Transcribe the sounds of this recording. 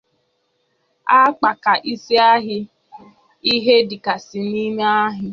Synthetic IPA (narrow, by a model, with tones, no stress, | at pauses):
a˦k͡pa˨ka˨ʔi˦si˦a˦ɦɪ˦ | i˦ɦe˦di˨ka˨si˨ni˦me˦a˦ɦɪ˦